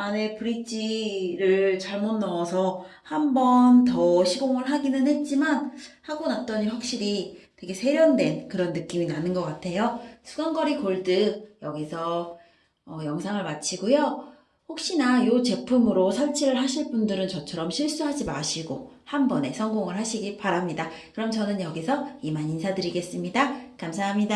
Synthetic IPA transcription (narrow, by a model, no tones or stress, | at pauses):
ane̞pɯɾit͡ɕ͈iɾɯɭt͡ɕaɭmonːʌwʌsʰʌhambʌntʌɕʰiɡoŋɯɭɦaɡinɯnhe̞t̚t͡ɕ͈imanhaɡonat̚t͈ʌɲiɸwak̚ɕ͈iɾitwe̞ɡe̞sʰe̞ɾjʌndwe̞nkɯɾʌnːɯk͈iminanɯnɡʌk͈atʰe̞josʰuɡaŋɡʌɾikoɭdɯjʌɡisʰʌ | ʌjʌŋsʰaŋɯɭmat͡ɕʰiɡojo | ɸok̚ɕ͈inajot͡ɕe̞pʰumɯɾosʰaɭt͡ɕʰiɾɯɭɦaɕʰiɭp͈undɯɾɯnt͡ɕʌt͡ɕʰʌɾʌmɕʰiɭs͈uɦad͡ʑima̰ɕʰiɡohambʌne̞sʰʌŋɡoŋɯɭɦaɕʰiɡipaɾamɲidakɯɾʌmt͡ɕʌnɯnjʌɡisʰʌimaɲinsʰadɯɾiɡe̞s͈ɯmɲidakamsʰaɦamɲida